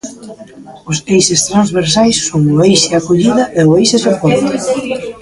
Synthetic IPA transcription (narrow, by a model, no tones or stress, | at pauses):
ʊsejsest̪ɾanzβeɾsajsːoŋoejʃɪakoʎiðɐʔeʊejsesepɔnt̪o